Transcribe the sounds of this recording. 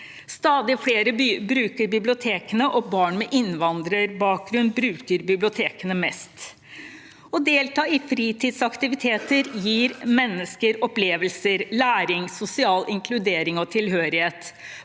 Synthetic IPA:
st̪ɑːd̪ɪfɽeːɾəbbɾʉːkəɾbɪblɪʊt̪ʰeːkənəʔɔbɑːɳmɛʔɪnʋɑnd̪ɾəɾbɑːk̚ɡɾʉnd̪̚bɾʉːkəɾbɪblɪʊt̪ʰeːkənəmɛst̪ | ɔd̪eːlt̪ʰɑːɪfɾiːt̪ʰiːd̪sɑkt̪ɪʋɪt̪ʰeːt̪əɾjiːɾmɛnːəskəɾɔpleːʋəlsəɾlæːɾɪŋsʊsɪɑːlʔɪŋkʰlʉd̪eːɾɪŋɔt̪ʰɪlɦøːɾɪheːt̪

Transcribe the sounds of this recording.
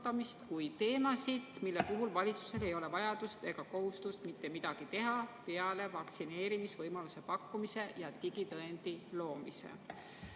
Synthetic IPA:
t̪ːˑɑmist̪kujt̪e̞ːmɑsid̪̥milːepuɦulvɑlʲit̪su̥se̞le̞jo̞le̞vɑjɑd̪̥ust̪e̞ɡ̥ɑko̞ɦust̪ust̪mit̪ːe̞mid̪̥ɑɡ̥it̪e̞ɦɑpe̞ɑle̞vɑk̪sine̞ːɾimisvɤjmɑluse̞pɑkːumise̞jɑt̪iɡ̥it̪ɤend̪̥ilo̞ːmise̞̰

